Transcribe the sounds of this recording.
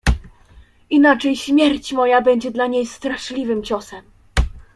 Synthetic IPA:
inat͡ʂɛjɕmʲjɛɾt͡ɕmɔjabɛɲd͡ʑɛd̪laɲejst̪ɾaʂlʲivɘmt͡ɕɔsɛm

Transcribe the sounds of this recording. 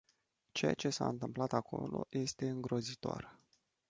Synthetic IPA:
t͡ʃeja̰t͡ʃe̞sa̰ɨnt̪ɨmplat̪akʰo̞̰lo̞̰jʔe̞st̪e̞ɨŋɡɾo̞zit̪oa̰r

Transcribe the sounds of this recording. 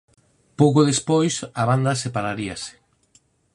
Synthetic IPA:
powkoðespojsaβand̪ɐsepaɾaɾiase̥

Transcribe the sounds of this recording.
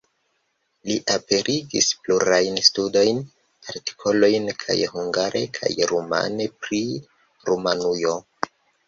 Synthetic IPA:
liʔape̞ɾʔiɡḭspluɾajnstudo̞jn | aɾti̥kʰo̞lo̞jnkʰa̰jhuŋɡaɾʔe̞kʰa̰jɾoma̰ne̞pɾi | ɾomanujo̞

